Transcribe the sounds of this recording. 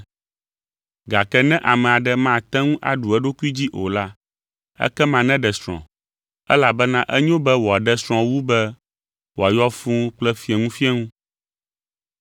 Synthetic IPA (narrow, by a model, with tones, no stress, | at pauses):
ɡa˨kɛ˦nɛ̃˦ʔa˨mɛ̃˨a˨ɖɛ˦mã˦˨t̪ɛ̃˦ŋũ˦ʔa˨ɖu˨ɛ˦ɖo˦ku˦i˦d͡ʑi˦ʔo˨la˦ | ɛ̰˦kɛ˦mã˨nɛ̃˦ɖɛ˨sɾɔ̰̃˨ | ɛ̰˦la˨bɛ˦nã˦ʔɛ˦ɲ˦õ˦bɛ˦wo˨a˨ɖɛ˦sɾ̃ɔ̃˨wu˦bɛ˦ | wo˨a˨jɔ˦fũ˦ŋ˦k͡plɛ˦fi˦ɛ˨ŋũ˦fi˦ɛ˦ŋũ˦